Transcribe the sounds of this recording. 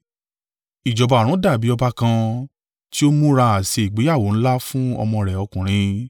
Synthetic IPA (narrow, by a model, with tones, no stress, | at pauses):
i˨d͡ʒɔ˨ba˧˨ɾ̃ũ˨˦da˦˨bi˨˦ɔ˧ba˧kã˧ | ti˦o˦mũ˦ɾa˧a˨se˧i˨ɡ͡be˨˦ja˦˨wo˨˦ñ̩˦la˦fũ˦ɔ̰˧mɔ̃˧ɾɛ˨ɔ˧kũ˨ɾ̃ĩ˨˧